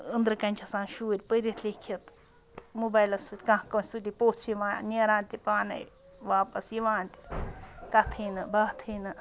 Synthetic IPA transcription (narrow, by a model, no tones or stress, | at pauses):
ənd̪ɾɨkɐnʲt͡ʃʰɐsãːnʃuːɾʲpəɾʲit̪ʰlʲikʰɐt̪ | mubaːjlɐsɨt̪ʲkãɦkosʲut̪ʲipoːt͡sʰiʋãːnʲeɾãːnt̪ʲipaːnɐ̰j | ʋaːpɐsiʋãːnt̪i̥kɐt̪ʰinɨbaːt̪ʰinɨ